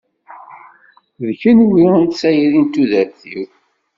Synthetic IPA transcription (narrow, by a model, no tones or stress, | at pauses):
ðçənwiənt̪sæjiɾint̪ːuðəɾθḭw